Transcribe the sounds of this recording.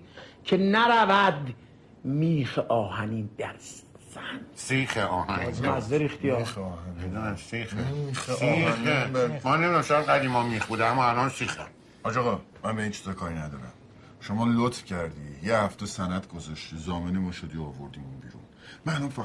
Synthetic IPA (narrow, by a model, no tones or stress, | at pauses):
cʰenæɾævæd̪ | miːxeʔɒːhæniːd̪̥æɾzænsiːχeʔɒːhænnizmæzd̪eɾixt̪ʰijɒeɒːɦænied̪unæsiːxemixinebæmænemid̪æmʃojad̪ɡæd̪iːmɒmiːxbuːd̪eæmːɔælɒːnsiːxæ̰m | ɒːd͡ʒɒɣɒ | mænbeint͡ʃʰi̥z̥ɒkʰɒːɾinæd̪ɒ̰ːɾæ̰m | ʃomɒːlot̪fcʰæɾd̪iːjehæft̪esænæd̪ɡozɒʃt̪iːzɒːmenimɒːʃod̪iɒːvoɾd̪iːmunbḭːɾṵnmænomfæ